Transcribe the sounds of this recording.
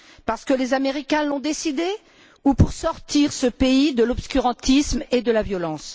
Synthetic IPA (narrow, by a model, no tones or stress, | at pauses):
paʁsə̥kəlezameʁikʲɛ̃lɔ̃d̪esid̪e | upuʁsɔʁt̪iʁsəpeid̪əlɔpskʲyʁɑ̃t̪ismed̪əlavjɔlɑ̃s